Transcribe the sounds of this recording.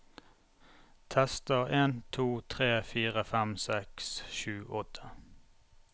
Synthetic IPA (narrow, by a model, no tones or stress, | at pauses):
t̪ʰɛst̪əʁeːnt̪ʰuːt̪ʰʁeːfiːʁəfæmsɛksʃʉːʔɔt̪ʰə̥